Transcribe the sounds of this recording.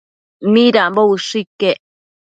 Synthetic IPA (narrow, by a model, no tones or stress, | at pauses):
miɾambouʂikːeʔ